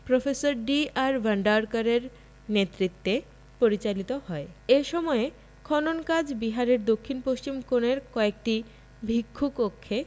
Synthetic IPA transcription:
pɾofesoɾɖiaɾbʱəɳɖaɾkaɾeɾ | net̪ːɾit̪ːe | poɾit͡ɕalit̪ohɔeeʃɔmɔe | kʰɔnonkad͡ʑbiɦaɾeɾd̪okʰːinpost͡ɕimkoneɾkɔek̚ʈi | bʱikʰːukokʰːe

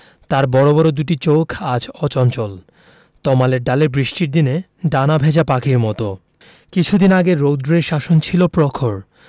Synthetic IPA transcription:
t̪aɾbɔɾobɔɾod̪uʈit͡ɕowkʰad͡ʑʰɔt͡ɕɔnt͡ɕol | t̪ɔmaleɾɖaleɾbɾiʃʈiɾd̪ine | ɖanabʱed͡ʑapakʰiɾmɔt̪o | kit͡ɕʰud̪inaɡeɾːowd̪ɾɾeɾʃaʃont͡ɕʰilopɾɔkʰoɾ

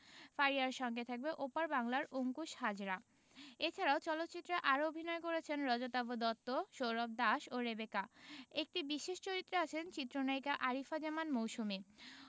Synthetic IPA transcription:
faiaɾʃɔŋɡet̪ʰak̚beʔopaɾbaŋlaɾoŋkuʃhad͡ʑɾa | et͡ɕʰaɾaot͡ɕɔlot̪ːt͡ɕit̪ːɾaʔaɾoobʱinɔekoɾet͡ɕʰenɾɔd͡ʑot̪abod̪ɔt̪ːoʃowɾɔb̚d̪aʃoɾebekaek̚ʈibiʃeʃt͡ɕoɾit̪ːɾeat͡ɕʰent͡ɕit̪ːɾonajkaʔaɾifad͡ʑamanmowʃume

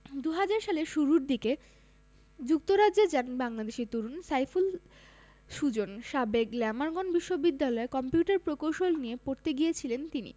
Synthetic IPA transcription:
d̪uɦad͡ʑaɾʃaleʃuɾuɾd̪ike | d͡ʑuk̚t̪oɾaed͡ʑanbaŋlad̪eʃiɾt̪uɾunsajful | ʃud͡ʑonʃabeɡlɛmaɾɡonbiʃːobid̪ːalɔekɔmpjuʈaɾpɾokowʃolniepoɾt̪eɡijet͡ɕʰilent̪inḭ

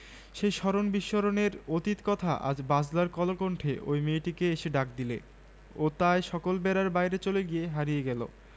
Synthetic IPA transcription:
ʃejʃɔɾonbiʃːoɾoneɾot̪it̪kɔt̪ʰaʔa̰d͡ʑbad͡ʑlaɾkɔlokoɳʈʰeʔo̰jmeʈikeeʃeɖak̚d̪ile | ot̪aeʃɔkolbɛɾaɾbajɾet͡ɕoleɡijeɦaɾijeɡɛlo̰

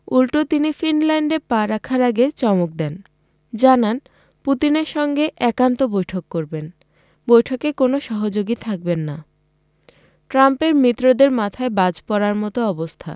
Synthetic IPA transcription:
ulʈot̪inifinlɛɳɖepaɾakʰaɾaɡet͡ɕɔmok̚d̪ɛn | d͡ʑanan | put̪ineɾʃɔŋɡeʔɛkant̪obojʈʰokːoɾben | bojʈʰokekonoʃɔɦod͡ʑoɡit̪ʰak̚benːa | ʈɾampeɾmit̪ːɾod̪eɾmat̪ʰaebad͡ʑpɔɾaɾmɔt̪oɔbost̪ʰa̰

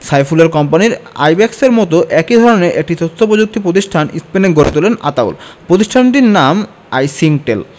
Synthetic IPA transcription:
sajfulaɾkɔmpaniɾa̰jbɛkseɾmɔt̪oʔɛkid̪ʱɔɾoneʔek̚ʈit̪ost̪ʰːopod͡ʑuk̚t̪ʰipɾot̪̬iʃʈʰanḭspeneɡoɾḛt̪ulena̰t̪aw̰lpɾot̪̬iʃʈʰanʈiɾnam | ajsiŋʈel

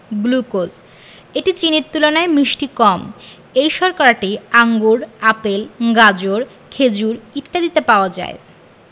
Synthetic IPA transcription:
ɡlukod͡ʑ | eʈit͡ɕineɾt̪ulonaemɾiʃʈikɔm | ejʃɔɾkaɾaʈiaŋɡuɾapelɡad͡ʑoɾ | kʰed͡ʑuɾiʈ̪ʈad̪it̪epaoad͡ʑa̰e

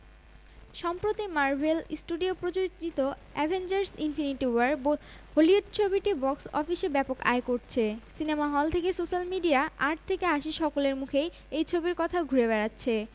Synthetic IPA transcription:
ʃɔmpɾot̪imaɾvʱelsʈuɖiopɾod͡ʑod͡ʑit̪o | ɛbʱend͡ʑaɾsinfiniʈiwaɾbo | ɦolioʈ̚t͡ɕʰobiʈibɔksɔfiʃebɛpoka̰ekoɾt͡ɕʰesinemaɦɔlt̪ʰekesoʃalmiɖiaʔaʈ̚t̪ʰekeaʃiʃɔkoleɾmukʰe | ejt͡ɕʰobiɾkɔt̪ʰaɡʱuɾeβɛɾatːɕʰe

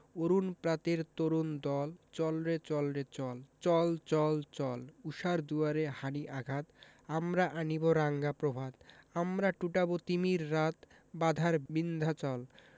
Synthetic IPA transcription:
oɾunpɾat̪eɾt̪oɾund̪ɔlt͡ɕɔlɾet͡ɕɔlɾet͡ɕɔlt͡ɕɔlt͡ɕɔlt͡ɕɔluʃaɾd̪uaɾehaniʔaɡʱat̪ | amɾaʔaniboɾaŋɡapɾobʱad̪amɾaʈuʈabot̪imiɾːat̪ | bad̪ʱaɾbind̪ʱat͡ɕɔl

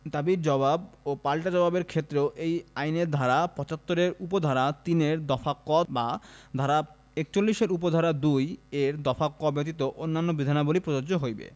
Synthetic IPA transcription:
d̪abiɾd͡ʑɔbabopalʈad͡ʑɔbabeɾkʰet̪ːɾeoʔejajneɾd̪ʱaɾapɔt͡ɕat̪ːoɾeɾupod̪ʱaɾat̪ineɾd̪ɔfakːɔt̪bad̪ʱaɾa | ek̚t͡ɕolːiʃeɾup̬od̪ʱaɾad̪ujeɾd̪ɔfakːɔbet̪it̪oʔonːanːobid̪ʱanabolipɾod͡ʑoɾd͡ʑoɦojbḛ

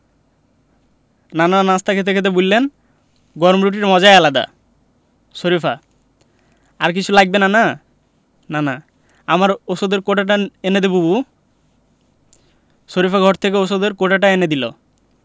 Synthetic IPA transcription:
nananast̪ʰakʰet̪̬ekʰet̪̬ebulːen | ɡɔɾmɾuʈ̬iɾmɔd͡ʑaealad̪a̰ | soɾifa | aɾk̬it͡ɕʰulaɡ̚benana | nana | amaɾosod̪eɾkoʈaʈaened̪ebubu | ʃoɾifaɡʱɔɾt̪ʰek̬eosod̪eɾkoʈaʈaened̪ilo̰

